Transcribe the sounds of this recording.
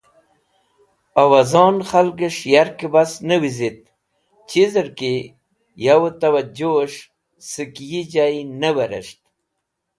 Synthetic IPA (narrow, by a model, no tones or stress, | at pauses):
awazɑːnxalɡəʂjaɾkibasnəwizit̪̚ | t͡ɕizəɾki | jawot̪awad͡ʑoʂ | sɨkjid͡ʑajnəwəɾə̰ʂt̪̚